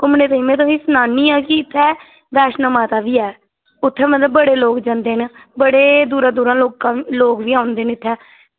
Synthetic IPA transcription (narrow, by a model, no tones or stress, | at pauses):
kʊmneːt̪əĩːmɛ̃ːt̪̬õːĩːsənaːnːiːãːkɪɪt̪ʰːɛː | ʋɛːʃnamaːt̪aːʋiːɛː | ʊt̪ʰːɛːmət̪ləbːəɽeːloːkd͡ʒãnd̪eːnbəɽeːd̪uːɾãːd̪uːɾãːloːkãːloːkʋiːãːʊ̃nd̪eːnɪt̪ʰːɛː